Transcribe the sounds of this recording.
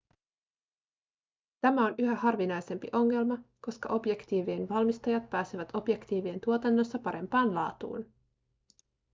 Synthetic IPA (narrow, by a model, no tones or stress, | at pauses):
t̪æmæo̞nyɦæhɑrʋinɑjse̞mpiʔo̞ŋːe̞lmɑko̞skɑ̰ʔo̞bje̞kt̪iːʋie̞nʋɑlmist̪ɑjɑt̪̚pæːseʋæt̪o̞bje̞kt̪iːʋie̞nt̪uo̞t̪ɑnːo̞sːɑpɑɾe̞mpɑːnlɑ̰ːt̪ṵːn